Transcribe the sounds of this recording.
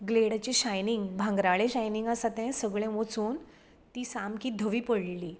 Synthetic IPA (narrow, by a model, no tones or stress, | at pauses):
ɡleɽat͡ɕiɕajniŋɡbʱãŋɡɾaɭɛ̃ɕajniŋɡasat̪ɛ̃səɡɭɛ̃mot͡suːn | t̪iːsamkiːd̪ʱəʋiːpəɽli